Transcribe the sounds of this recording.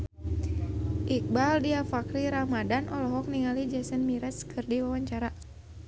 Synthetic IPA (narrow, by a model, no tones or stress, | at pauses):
ʔik̚baldiafakɾiɾamadanʔɔlɔɦɔk̚niŋalid͡ʒɛsənmiɾɛskʰɨrdiwawaɲt͡ʃaɾa